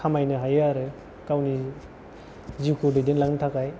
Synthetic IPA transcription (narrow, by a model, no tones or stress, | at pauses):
kʰamajnɯɦajaɾɯ | kawni | zikʰudedinlaŋtʰakaj